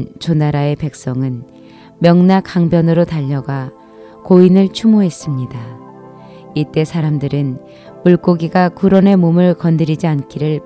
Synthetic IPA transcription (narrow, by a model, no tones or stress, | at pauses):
t͡ɕonaɾae̞pe̞k̚s͈ʌŋɯn | mjʌŋnakaŋbjʌnɯɾotaʎːʌɡa | koinɯɭt͡ɕʰumoɦe̞s͈ɯmɲida | it͈e̞sʰaɾamdɯɾɯn | muɭk͈oɡiɡakuɾʌne̞momɯɭkʌndɯɾid͡ʑiank͈ʰiɾɯɭ